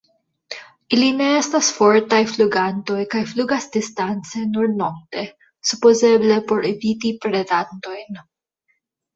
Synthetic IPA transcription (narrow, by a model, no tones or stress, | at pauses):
ʔilineest̪asfoɾt̪ajfluɡant̪o̞jkajfluɡasd̪ist̪ant͡senuɾnok̚t̪e | supozeblepo̞ɾevit̪ipɾed̪ant̪o̞jn